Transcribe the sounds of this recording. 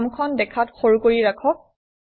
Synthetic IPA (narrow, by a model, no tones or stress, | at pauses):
mkʰɔndɛkʰatxoɹukoɹiɹakʰɔk̚